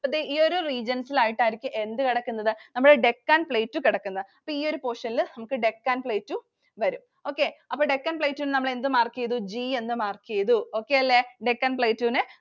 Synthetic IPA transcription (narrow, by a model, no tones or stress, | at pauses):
pɐd̪eʔiːo̞ɾuriːd͡ʑɐnsilaːjiʈːaːjiɾikʲːumʔe̞nd̪ɨkiɽɐkːunːɐðɨnɐmːuɽeɖe̞kːaːnpɭejːtːukiɽɐkːunːɐðɨɐpːoːiːo̞ɾupo̞ːʂɐnilnɐmukːɨɖe̞kːaːnpɭejtːu | ʋɐɾum | o̞ːkːe̞ɐpːoːɖe̞kːaːnpɭejtːuːnnɐmːɐɭe̞nd̪ɨmaːrkijɐðud͡ʑiːe̞nd̪ɨmaːrkijɐðuo̞ːkːe̞jɐlːeɖe̞kːaːnpɭejtːuːnɨ